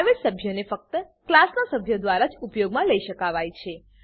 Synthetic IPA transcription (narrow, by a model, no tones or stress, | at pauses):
ʋesəbʱjonefək̚t̪ə | klasnasəbʱjod̪ʋaɾad͡ʒupjoɡmãləiʃəkaʋajt͡ʃʰe